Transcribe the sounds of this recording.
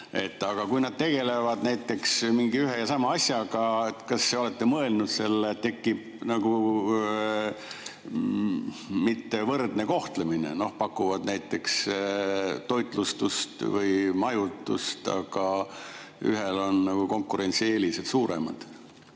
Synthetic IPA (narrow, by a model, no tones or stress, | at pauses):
e̞̰t̪ːɑɡ̥ɑkujnɑd̪̚t̪e̞ɡ̥e̞le̞vɑd̪̥næjt̪ːˑe̞ksmiŋɡiyɦejɑsɑmɑɑsʲjɑɡ̥ɑet̪kɑsːeo̞le̞t̪ːe̞mɤe̞lnud̪̥se̞lːett̪ːe̞kːib̥ | nɑɡ̥u | mit̪ːe̞vɤrd̪ne̞ko̞ht̪leminḛno̞hpɑkːˑuvɑd̪næjt̪ːˑe̞ks | t̪o̞jt̪ˑlust̪ust̪vɤjmɑjut̪ːˑṵst̪ɑ̰ɡ̥ɑ | y̰ɦelo̞nːɑɡ̥uko̞ŋkːuɾe̞nt̪sieːliset̪suːɾḛmɑ̰d̪̥